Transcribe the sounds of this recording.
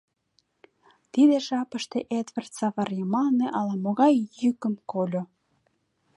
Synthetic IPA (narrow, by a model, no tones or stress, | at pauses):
t̪id̪eʒɑpəʃt̪eʔet̪vərt̪sɑβɑrjɤmɑlneʔɑlɑmoɣɑjːykə̆mkolʲo